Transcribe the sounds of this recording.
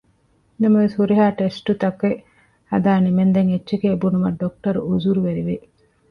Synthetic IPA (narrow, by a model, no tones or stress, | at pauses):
nɐmɐʋeshuɾiɦaːʈesʈut̪ɐkʋe | hɐd̪aːnimend̪eŋetːʃekeːbunumɐɖːok̚ʈɐɾuuzuɾuʋeɾiʋi